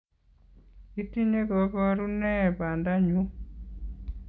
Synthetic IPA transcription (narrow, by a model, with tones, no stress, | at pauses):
i˦ti˦ɲe˦ɡɔ˨˦bɔ˦ɾu˦nɛ˦˨ba˨nda˦ɲu˦